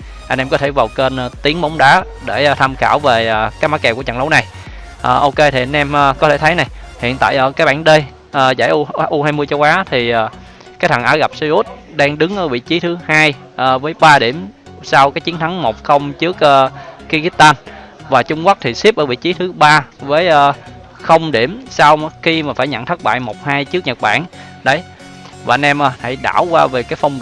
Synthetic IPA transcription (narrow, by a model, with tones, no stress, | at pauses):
ʔa˧jŋ̟ʔɛ˧mkɔ˨˦t̪ʰe˧˩vaː˨˩wke˧n˧t̪i˨˦əŋɓa˨˦wŋ͡mɗaː˨˦ | ɗe˧˩˨t̪ʰa˧mxaː˧˩wveː˨˩˨kaː˨˦˥maː˨˦˥kɛ˨˩ku˧˩t͡ɕə̰˧˨˩nlə˨˦wna˨˩j | ʔəː˨˩ʔo˧ke˧t̪ʰi˨˩a˧jŋ̟ʔɛ˧mʔə˨kɔ˨˦t̪ʰe˧˩t̪ʰə˨˦jna˨˩jhḭ˧˨ənt̪a̰ː˧˨jʔəː˧˩kaː˨˦k̚ɓaː˧˩ŋɗe˧j | ʔːza̰˧˩jʔu˧˦ʔu˧haː˧jmɨ˧əjt͡ɕə˧wʔaː˨˦t̪ʰi˨˩ʔaː˨˩ | kaː˦˥t̪̚ʰaː˨˩ŋʔaː˨˦ɣa˨˩p̚si˧ʔu˦˥t̚ɗaː˧ŋɗɨ˨˦ŋʔəː˧˩ɓḭ˧˨t͡ɕi˨˦t̪ʰɨ˨˦haː˧j | ʔəː˨˩vəː˨˦jɓaː˧ɗi˧˩əm | saː˧wkaː˨˦˥jt͡ɕi˨˦ənt̪ʰa˨˦ŋmo˨˩k͡p̚xə˧wŋ͡mt͡ɕɨ˦˥ək̚ʔəː˧ki˧ɣi˦˥t̚t̪aː˧n | vaː˨˩t͡ɕʊ˧ŋ͡mkwk̚t̪ʰi˨˩si˦˥p̚ʔəː˧˩ɓḭ˧˨t͡ɕi˨˦t̪ʰɨ˨˦ɓaː˧vəː˨˦jʔəː˧ | xə˧wŋ͡mɗi˧˩əmsaː˧wxi˧maː˨˩faː˧˩jɲə̰˧˨nt̪ʰə˦˥k̚ɓa̰ː˧˨jmo˨˩k͡p̚haː˧jt͡ɕɨ˦˥ək̚ɲə˨˩t̚ɓa̰ː˧˨n | ɗə˨˦j | vaː˨˩ʔnʔɛ˧mʔəː˨˩ha̰˧˩jɗa̰ː˧˩wkwaː˧ve˨˩kaː˨˦jfə˧wŋ͡mɗ